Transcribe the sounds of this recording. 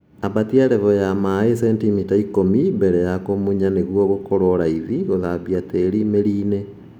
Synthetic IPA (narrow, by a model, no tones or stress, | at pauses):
abatiaɾɛβɔjamaesɛntimitaikomimbɛɾɛjakomuɲaneɣwɔɣokoɾoɾaiðiɣoðaβiateɾimeɾine